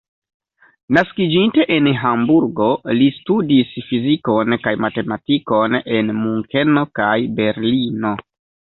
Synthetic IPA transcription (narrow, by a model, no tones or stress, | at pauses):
naskid͡ʒinte̞ʔenɦambuɾɡo̞listudisfiziko̞nkajmate̞matiko̞ne̞nmuŋke̞no̞kajbe̞ɾlino̞